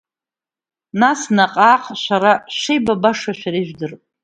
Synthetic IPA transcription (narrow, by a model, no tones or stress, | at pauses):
nasnaqʼaːqʼʃʷaɾaʃejbabaʂaʃᶣaɾiʒᶣdɨrʼ